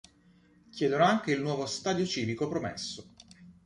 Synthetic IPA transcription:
kʲjɛːd̪onoaŋk̟eilnwɔːvost̪aːd̪jot͡ʃiːvikopɾomḛsːo

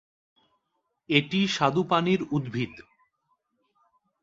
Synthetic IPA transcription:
eʈiʃad̪upaniɾud̪bʱid̪

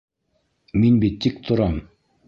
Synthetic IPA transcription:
minbit̪ːik̚t̪ʰŏɾɑm

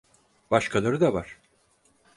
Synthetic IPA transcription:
b̥aʃkʰalˠaɾɯd̪avaɾ̥

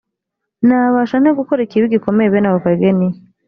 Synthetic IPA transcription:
naβaʃaneɡukoɾikiβiɡikomeeβenaβokaɡeni

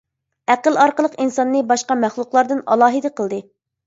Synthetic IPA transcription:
æqəlˠɑɾqəlˠəqinsɑnːɨbɑʃqɑmæχlˠʊqlˠɑɾd̪ɨnɑ̰lˠɑːɦɨd̪əqəlˠd̪ɨ

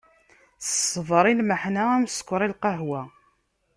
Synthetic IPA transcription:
θəsəvəɾˤilməħnaæmskʷɾˤilqɑɦwæ

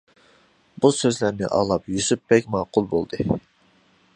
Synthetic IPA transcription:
busøzlæɾnɪ̰ʔɑ̰ːlˠɑpjysypbɛkʲmɑːqʊlˠbolˠd̪ɨ

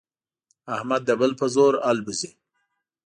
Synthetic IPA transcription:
ahmad̪ːəbəlpəzoɾalbuzi

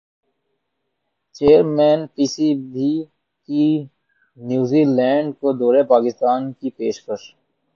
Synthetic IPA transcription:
t͡ʃeːəɾmɛ̃ːnpiːsibi | ki | njuːzilɛ̃ːɳɖkod̪oːɾepaːkɪst̪aːnkipeːʃkəʃ

